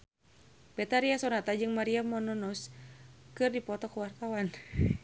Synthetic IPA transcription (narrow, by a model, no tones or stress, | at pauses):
bɛt̪aɾiasɔnat̪ad͡ʒɨŋmaɾiamɔnɔnɔskɨrdipɔt̪ɔkəwart̪awan